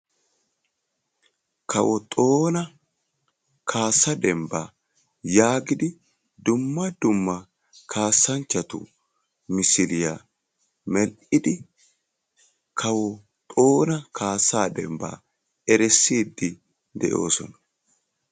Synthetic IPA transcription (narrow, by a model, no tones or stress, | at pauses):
kɐwɔt̪ʼo̞ːnɐ | kʰaːsːɐd̪ɛmbaː | jaːɡɪd̪ɪ | d̪ʊmːɐd̪ʊmːɐ | kʰaːsːɐnt͡ʃːɐt̪ʊ̰ | mɪsɪlɪja | mɛlʔɪd̪ɪ | kʰɐwɔ | t̪ʼoːnɐkʰaːsːaːd̪ɛ̰mba̰ː | ɛɾɛsːiːd̪ːɪ | d̪ɛ̰ʔo̞̰ːsɔnɐ